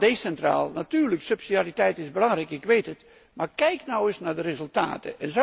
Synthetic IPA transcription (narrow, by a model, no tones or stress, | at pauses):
dejsɛntra̰ːlˠnatyːrləksøpsidaritɛjtɪzbəlɑŋrɛjkɪkʋejtət | markɛjknɔwɪsnardərezɵlˠta̰ːtə̰ʔɛnzo